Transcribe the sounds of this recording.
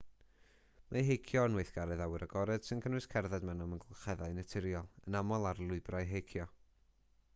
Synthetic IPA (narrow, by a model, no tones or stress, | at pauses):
maɦejkʰjɔnweɨθɡ̥aɾɛðawɨɾaɡɔɾɛd̥sɨnkʰənwɨskʰɛrðɛdmɛnɔmənɡʰlˠχɛðaɨnɛtʰɪɾjɔlˠənamɔlˠarlˠʊɨbrajɦejkʰjɔ